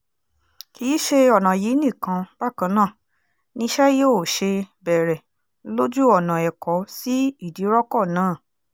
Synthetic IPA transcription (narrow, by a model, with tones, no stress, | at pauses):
ki˧˨˦ʃe˧ɔ˨nã˨ji˨˦nĩ˦˨kã˧b̥a˦˨kã˧˦nãː˦˨ | nĩ˧ʃɛ˦jo˦˨ʃe˧bɛ˨ɾɛ˨ | lo˦d͡ʒu˦ɔ˦˨nã˨ɛ˨kɔ˨˦si˦i˦˨di˨˦ɾɔ˦kɔ˦˨nãː˦˨